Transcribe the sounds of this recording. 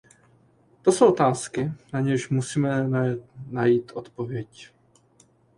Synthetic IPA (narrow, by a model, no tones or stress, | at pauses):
t̪o̞so̞wʔot̪aːskɪnaɲɛʃmusiːmɛ | najiːt̪ʔo̞t̪po̞vjɛc